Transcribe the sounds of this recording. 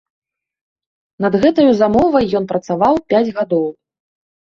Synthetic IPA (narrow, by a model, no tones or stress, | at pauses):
nɐd̪ɣɛt̪ɐjuzamɔvɐjːɔn̪pɾɐt̪savawpʲad͡zʲɣad̪ɔw